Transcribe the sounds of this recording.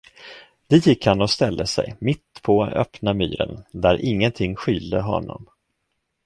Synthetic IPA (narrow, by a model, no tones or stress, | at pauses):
d̪̥ɛjɪkːhanɔst̪ɛld̪əsɛ̰jmɪt̪ːpʰɔœ̰pnamy̰ːɾə̰nd̪æɾʔɪŋːənt̪ʰɪŋːɧyːld̪əɦɔ̰nːɔ̰m